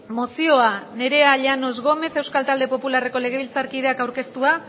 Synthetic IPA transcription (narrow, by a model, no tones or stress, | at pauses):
mo̞sio̞ane̞ɾe̞aʎano̞zɣo̞me̞θe̞wskalt̪ald̪e̞po̞pulare̞ko̞le̞ɣ̞e̞β̞ilt͡saɾkið̞e̞akawɾke̞st̪ua